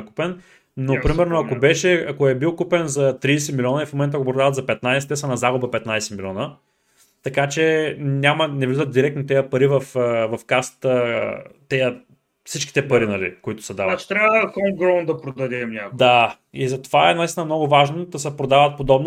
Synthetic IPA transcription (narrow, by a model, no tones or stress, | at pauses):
ku̥pɛn | nopɾimɛɾnoɐkobɛʃɛɐkoɛbilˠkupɛnzɐt̪ɾijsɛmilʲiɔnəifmomɛnt̪ɐkopɾod̪avɐt̪zɐpɛt̪najsɛ̥t̪ɛsɐnɐzaɡʊbəpɛt̪najsɛmilʲiɔnə | t̪ɐkat͡ʃɛnʲamɐnɛvizət̪̚d̪iɾɛkt̪not̪ɛjəpɐɾivɐfəvɐfkast̪ət̪ɛjə | fsit͡ʃkʲi̥t̪ɛpɐɾinɐlḭkoit̪ʊ̥sɐd̪avnat͡ʃt̪ɾʲavəxɔmɡɾɔnd̪ɐpɾod̪ɐd̪ɛmnʲakd̪a | izɐt̪ovaɛnɐist̪inəmnɔɡʊvaʒnod̪ɐsɛpɾod̪avət̪̚pod̪ɔbn